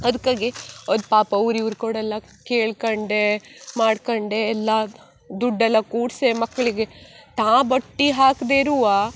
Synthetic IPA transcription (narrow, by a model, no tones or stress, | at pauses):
ɐd̪ɐkːaːɡiond̪paːpɐʋɾiʋɾkoːɽɛlːɐ | keːɭkoɳɖemaːɖkoɳɖeːlːɐ | d̪uɖːɛlːɐkuːʈsemɐkːɐɭiɡet̪ãːbɐʈːiɦaːkd̪eɾuʋa